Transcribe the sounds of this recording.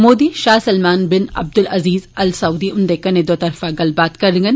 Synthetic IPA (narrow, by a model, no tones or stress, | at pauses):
moːd̪iːʃaːsɐlmaːnbɪnɐ̰b̚d̪ʊlɐziːzɐlsɐuːd̪iʊnd̪ekɐnẽd̪oːt̪ɐɾfaɡɐlbaːt̪kɐɾɪ̃ŋɡɐn